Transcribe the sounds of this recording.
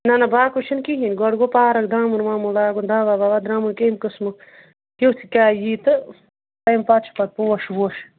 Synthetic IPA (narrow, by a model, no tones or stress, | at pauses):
nanabaːkut͡ʃʰinkiɦinɡɔɽɡopaːɾɐk̚d̪ɾaːmunmaːmulaːɡund̪aːbabaːbad̪ɾaːmunkemkɨsmɨ | kewt͡sʰikʲaːjiːt̪ɨ | t̪ɐjmpɐt̪t͡ʃʰu̥pɐt̪̚puoʃwoʃ